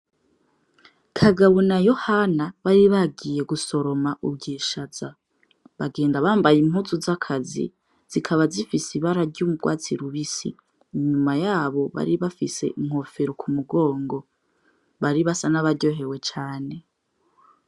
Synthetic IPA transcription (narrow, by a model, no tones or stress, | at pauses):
kʰaɡaβunajo̞hanaβaɾiβaɡije̞ɡuso̞ɾo̞maʔub̚ɡiːʃaz̥a | βaɡe̞ːndaβaːmbajim̥uzuzakʰazḭ | z̥ikʰaβazifisiβaɾaɾɟumub̚ɡwa̰ːt͡siɾuβisḭː | ɲumajaːβo̞βa̰ɾiβafise̞̰iŋ̥ho̞fe̞ɾokʰumuɡo̞ːŋɡo̞ | βaɾiβasanaβaɾɟo̞ːɦe̞we̞t͡ʃaːne̞